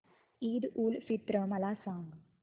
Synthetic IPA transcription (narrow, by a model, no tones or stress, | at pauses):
iːd̪uːlfit̪ːɾɐmɐlaːsaːŋɡ